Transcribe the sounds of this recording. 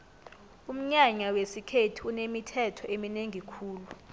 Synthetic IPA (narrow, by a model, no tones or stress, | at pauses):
um̩ɲaɲawesikʰetʰiunemitʰɛtʰɔemineŋikʰuːlu